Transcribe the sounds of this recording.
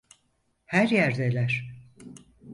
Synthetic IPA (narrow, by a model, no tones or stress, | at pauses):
hæɾjæɾd̪elʲæɾ̥